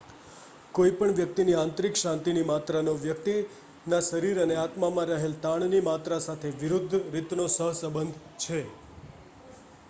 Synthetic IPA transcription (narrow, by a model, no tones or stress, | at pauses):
koipəɳʋjək̚t̪iniãnt̪ɾikʃãnt̪inimat̪ɾanoʋjək̚t̪i | naʃəɾiɾəneat̪mamãɾəɦelt̪ãɳnimat̪ɾasat̪ʰeʋɪɾʊd̪ʱːɾit̪nosəɦsəbənd̪ʱ | t͡ʃʰe